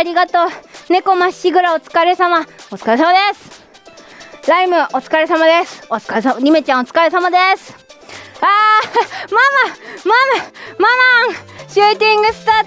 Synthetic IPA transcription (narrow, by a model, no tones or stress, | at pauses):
aɾʲiɡat̪oːne̞ko̞maɕiɡɯ̟ɾaot͡sɨ̥kaɾe̞samaot͡sɨ̥kaɾe̞samad̪esɨ̥ | ɾaimɯ̟ʔo̞t͡sɨ̥kaɾe̞samad̪esɨ̥ot͡skaesaɲʲimet͡ɕão̞t͡sɨ̥kaɾe̞samad̪esɨ̥ | aːmamamamamamaɕɨːt̪ʲĩŋɡɯ̟sɨ̥t̪a